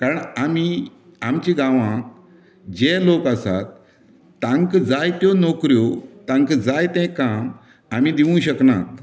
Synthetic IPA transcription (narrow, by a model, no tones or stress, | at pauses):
kaɾəɳami | amt͡ɕiɡãʋã | d͡ʑelokasa̰t̪̚ː | ãŋkd͡zajt̪jɔnɔkɾjot̪ãŋkd͡zajt̪ɛ̃kam | am̤id̪iʋũɕəkna̰t̪